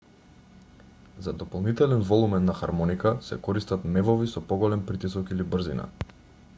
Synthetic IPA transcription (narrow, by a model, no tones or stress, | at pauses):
zad̪ɔpɔlˠnit̪ɛlɛnvɔlˠumɛnːaxaɾmɔnikasɛ̰kɔɾist̪at̪mɛvɔvisɔpɔɡɔlɛmpɾit̪isɔkilibr̩zḭna̰